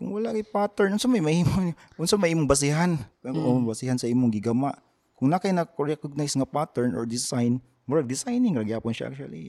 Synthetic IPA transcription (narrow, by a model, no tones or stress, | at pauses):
kʊŋwɐlaʔkajpat̪ɛɹnʔʊnsanmɐjmɐhiːmo | ʔʊnsanmɐjʔiːmoŋbɐs̬ɪhanobɐsihansɐʔiːmoŋɡɪɡɐmaʔ | kʊŋnakajnɐkoɾɛkʊɡ̚najsŋapat̪ɛɹnʔo̰ɹd̪ɪsajn | muɾad̪ɪsajnɪŋɾɐɡjaːponʃaʔa̰k̚t͡ʃwa̰lḭ